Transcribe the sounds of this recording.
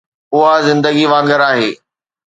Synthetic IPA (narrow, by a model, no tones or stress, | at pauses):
ʊɦazɪ̃nd̪əɡiʋãːŋɡəɾaːɦeː